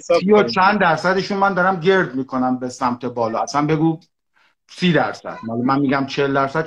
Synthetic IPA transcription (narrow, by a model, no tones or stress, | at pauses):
iot͡ʃʰænd̪d̪æɾsæd̪iʃunmænd̪ɒɾæmɟe̞ɾd̪miːkʰo̞næmbesæmt̪ʰe̞bɒːlɒːæsænbe̞ɡuː | siːd̪æ̰ɾsæ̰d̪̥mɒːlemænmiːɡæmt͡ʃʰeeld̪æɾsæd̪